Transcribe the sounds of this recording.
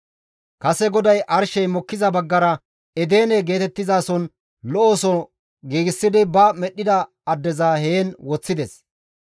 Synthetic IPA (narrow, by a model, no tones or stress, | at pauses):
kɐsɛɡɔd̪ɐjʔɐɾʃɛjmɔkːɪzɐbɐɡːɐɾɐ | ɛd̪e̞ːnɛɡe̞ːt̪ɛt̪ːɪzaːsɔn | lɔʔoːsɔ | ɡiːɡɪsːɪd̪ɪbɐmɛɗːɪd̪ɐ | ɐd̪ːɛzaːheːnwɔt͡sːɪd̪ɛs